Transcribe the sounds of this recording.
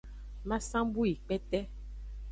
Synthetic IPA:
mã˦sã˦bu˦i˨k͡pɛ˦t̪ɛ˦

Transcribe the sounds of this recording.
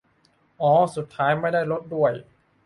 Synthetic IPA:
ʔɔː˨˦su˨˩t̪ʰːaː˦˥jma˥˩jdaː˥˩jlo˦˥t̪̚du˥˩əj

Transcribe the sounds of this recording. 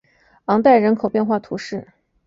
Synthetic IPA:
ɑ˧˥ŋt̪a˥˩ɪɻə˧˥nkʰo˨˩ʊpjnxwa˥˩t̪ʰu˧˥ʂɻ̩˥˩

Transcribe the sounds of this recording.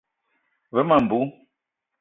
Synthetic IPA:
βə˨˦ma˨m̩˨bu˨˦

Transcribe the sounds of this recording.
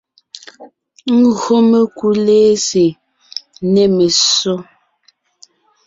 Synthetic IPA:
ŋ̩˦ɣɰo˦me˨ku˦leː˦se˨ | ne˨me˨so˦

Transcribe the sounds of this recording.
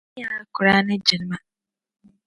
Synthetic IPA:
a˦a˦ku˨ɾa˦ne˦ɟi˨ɾi˨˦ma˦

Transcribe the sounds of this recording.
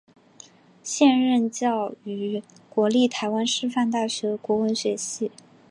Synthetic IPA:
ɕjɛ˥˧nɻə˥˧nt͡ɕjɑ˥˩ʊy˧˥ | kwɔ˧˥li˥˩t̪ʰa˧˥ɪwa˥nʂɻ̩˥˧fa˥˧nt̪a˥˩ɕɥɛ˧˥kwɔ˧˥wə˧˥nɕɥɛ˧˥ɕi˥˩

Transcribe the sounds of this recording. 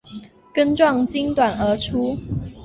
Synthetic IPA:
kə˥nʈ͡ʂwɑ˥˨ŋt͡ɕi˥ŋt̪wa˨˩nə˨˧˥ʈ͡ʂʰu˥

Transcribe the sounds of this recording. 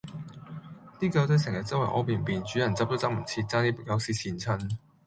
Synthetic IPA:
t̪iː˥kɐ˧wt̪ɵ˧˥sɛ˨˩ŋjɐ˨˩t̚t͡sɐ˥wɐ˨˩ʔɔ̰˨˥piː˨˩npiː˨nt͡ʃyː˨˥jɐ˨nt͡sɐ˥t̪o˥t͡sɐ˥m̩˨˩t͡sʰiː˧t̚t͡saː˥ŋniː˥pkjɐ˨˧wsiː˧˩t͡sʰiː˨˩nt͡sʰɐ˧˥n

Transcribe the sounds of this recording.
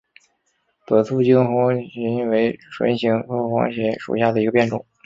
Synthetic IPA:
t̪ɤ˨˩t̪ʰu˥t͡ɕi˥ŋxɑ˥ŋɕɛ˧˥we˧˥ɪʂwḛ˧˥ɪɕi˧˥ŋxɤ˥xwɑ̰˥ŋɕjɛ˧˥ʂṵ˨˩ɕja˥˩d̪ə˩i˧˥ɡə˧pjnʈ͡ʂʊ̰˨˩˦ŋ

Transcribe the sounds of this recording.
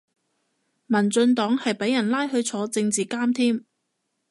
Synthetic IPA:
mɐ˨˩nt͡sɵ˧nt̪ɔː˨˥ŋhɐ˨jpe˨˥jɐ˨˩nlaː˥jɦɵ˧ɥt͡sʰɔː˨˧t͡sɪ˧ŋt͡siː˨kaː˥mt̪ʰiː˥m

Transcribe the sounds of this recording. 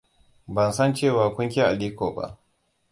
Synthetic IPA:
bɐ˨nsɐ˦˨nt͡ʃeː˦˨waː˨kʷʊ˦ŋkʲe˦ʔa˨liː˦kʷoː˨ba̰˦˨ʔ

